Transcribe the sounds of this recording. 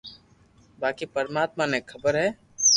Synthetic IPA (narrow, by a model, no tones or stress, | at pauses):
baːkipəɾmaːt̪manekʰəbəɾɦɛː